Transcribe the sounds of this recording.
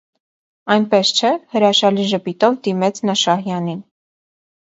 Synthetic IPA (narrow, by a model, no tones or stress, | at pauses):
ɑjnpɛst͡ʃʰɛhəɾɑʃɑliʒəpit̪ɔvd̪imɛt͡sʰnɑʃɑhjɑnin